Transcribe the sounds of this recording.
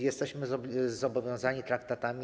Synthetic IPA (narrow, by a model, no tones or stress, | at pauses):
jɛst̪ɛɕmɘɔzɔbɔvʲjɔ̃w̃zaɲit̪ɾakt̪at̪amʲi